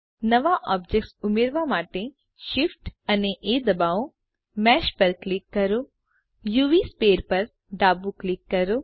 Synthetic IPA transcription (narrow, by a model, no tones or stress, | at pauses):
nɐʋaʔɔːb̚d͡ʒeksʊmeɾʋamaːʈe | ʃɪfʈɐneʔeːd̪ɐbaːo | mɛːʃpɐɾklɪkːɐɾoː | juːʋispeːɾpɐɾ | ɖaːbuklɪkːɐɾoː